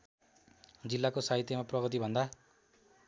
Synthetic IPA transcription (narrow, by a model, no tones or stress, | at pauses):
d͡zilːakosaɦit̪jemaprʌɣʌt̪̬ibʱʌnd̪a